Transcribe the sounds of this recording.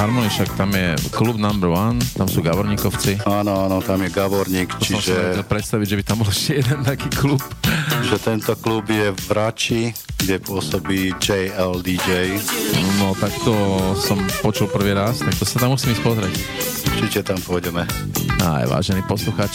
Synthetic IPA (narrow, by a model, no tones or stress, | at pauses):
ɦaɾmɔniʃakt̪amjɛklubnambɾwant̪amsuːɡaʋɔɾɲiːkɔʊt͡siaːnɔaːnɔt̪amjɛɡaʋɔɾɲiːkpɔt͡ʃtiɔ̃mɛaɛlpɾɛt̪st̪aʋiɟʒɛbit̪ambɔlɛʃcɛjɛd̪ɛnt̪akiːklupʒɛt̪ɛnt̪ɔklubjɛʋɾat͡ʃiɡɟɛpʊɔsɔbiːd͡ʒɛjɛld̪id͡ʒɛjnɔt̪akt̪ɔsɔmpɔt͡ʃulpr̩ʋiːɾast̪ak̚t̪ɔsat̪amusiːmiːc̚ʲpɔzɾɛc | uɾt͡ʃicɛt̪ampʊɔɟɛmɛa̰jʋa̰ːʒɛniːpɔsluxaːt͡ʃ